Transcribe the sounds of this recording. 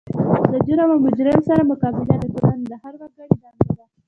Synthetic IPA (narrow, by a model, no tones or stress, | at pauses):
d̪əd͡ʒʊɾamamʊd͡ʒɾɪmsaɾamʊkɑbɪd̪ad̪əkʊɾand̪əhaɾwaɡaɽid̪ɑnba